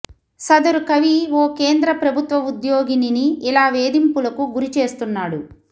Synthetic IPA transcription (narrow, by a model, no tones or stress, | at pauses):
sɐd̪ɐɾukɐʋiʋoːke̞ːnd̪ɾɐpɾɐbʱut̪ʋɐud̪joːɡininiːlaːʋeːd̪impulɐkuɡuɾit͡ʃe̞ːst̪unːaːɽu